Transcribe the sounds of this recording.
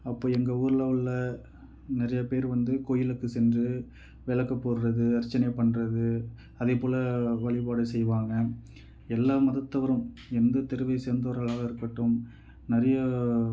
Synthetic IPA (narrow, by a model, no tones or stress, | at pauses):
ɐpːoːɛŋɡɐuːɾɯlɐɐɭːɐ | nɪɾɐjɐpeːɾʋɐnd̪ɯkoːjɪlɯkːɯsɛndrɯ | ʋɛɭɐkːɐpːoːɾɯɾɐðɯɐɾt͡ʃːɐnɐɪpɐɳːrɐðɯ | ɐðepoːlɐʋɐɭɪpaːɽɐsɛjʋaːŋɡɐ | ɛlːaːmɐðɐt̪ːɐʋɐɾɯm | ɛnd̪ɐt̪ɛɾɯʋɐɪseːɾnd̪ɐʋɐɾɐɭaːɣɐɪɾɯkːɐʈːɯm | nɪɾɐjɐ